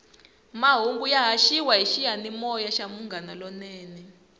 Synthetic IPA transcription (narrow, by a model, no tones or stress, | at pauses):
maɦuŋɡujaɦaʃiwaɦiʃijanimɔjaʃamuŋɡanalɔnɛːnɛ